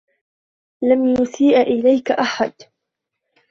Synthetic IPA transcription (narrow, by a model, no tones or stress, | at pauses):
lamjʊsiːʔʔɪlajkaʔaħad̪